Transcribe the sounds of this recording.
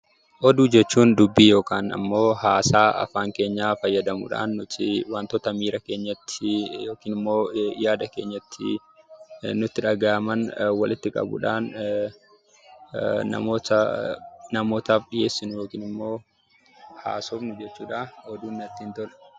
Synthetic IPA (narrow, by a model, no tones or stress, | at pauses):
ʔɔd̪uːd͡ʒɛt͡ʃːuːnd̪ʊbːiːjo̞ːkaːnɐ̰mːo̞ːhaːsaːʔɐ̰faːŋke̞ːɲːaːfɐjːɐd̪ɐmʊ̰ᶑa̰ːnːʊt̪ɪwant̪ɔt̪ɐmiːɾɐke̞ːɲːɐt̪ːɪjoːkiːnɪmːo̞ːjaːd̪ɐke̞ːɲːɐt̪ʰːɪ̰ | nʊt̪ːɪᶑɐɡaːʔɐmɐnwɐlʔɪt̪ːɪkʼɐ̰bʊ̰ᶑaːn | nɐ̰moːt̪ɐ | nɐmo̞ːt̪aːfᶑɪje̞ːsːɪnʊjo̞ːkiːnɪmːo̞ː | ha̰ːsoːfnʊd͡ʒɛt͡ʃːuːᶑaːɔd̪uːnːɐt̪ːɪːnt̪ɔl